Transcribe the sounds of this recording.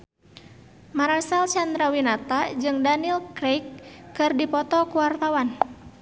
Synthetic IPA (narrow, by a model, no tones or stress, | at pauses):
maɾasalt͡ʃand̪ɾawinat̪ad͡ʒɨŋdaniilkɾejkːɨrdipɔt̪ɔkuwart̪awan